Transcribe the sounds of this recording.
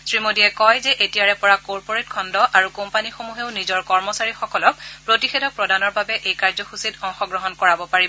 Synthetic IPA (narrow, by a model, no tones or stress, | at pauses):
sɹimodiɛkɔjzɛʔetijaɹɛpɔɹakɔɹpɔɹet̚kʰɔndɔʔaɹukompanixomuɦeʊnizɔɹkɔɹmɔsaɹixɔkɔlɔk̚pɹotixedɔk̚pɹɔdanɔɹbabɛʔejkaɹzɔxusitɔŋxɔɡɹɔɦɔnkɔɹabɔpaɹibɔ